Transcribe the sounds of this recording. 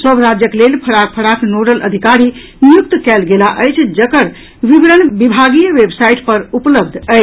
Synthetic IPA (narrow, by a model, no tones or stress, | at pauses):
səbɾad͡ʒjəklelpʰəɾak̚pʰəɾaknoɾəlʔə̰d̪ʱikaɾi | njukt̪kɛlɡelaʔəjt͡ʃʰd͡ʒəkəɾ | ʋibɾənbibʱaɡijəʋebsajʈpəɾupləb̚d̪ʱə